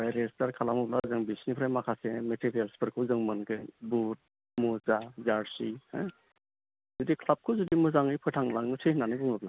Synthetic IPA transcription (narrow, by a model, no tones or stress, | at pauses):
ajɾestaɾkʰalamɯp̚lazɯŋbisnipʰɾajmakʰasemetʰiɾijalspʰɯɾkʰɯzɯŋmɯnkʰɯjbut̚ | muzazaɾsihɯ | zudikʰlap̚kʰɯzudimɯzaŋɯjpʰɯtʰaŋlaŋnɯsʰɯjhnanɯbɯŋɯpla